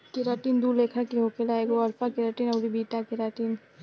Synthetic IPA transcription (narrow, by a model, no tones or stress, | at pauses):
kɪɾaːʈiːnd̪uɾleːkʰə̃keɦokelaːeɡoɐɾpʰakɪɾaːʈinɐɾibiːʈakɪɾaːʈiːn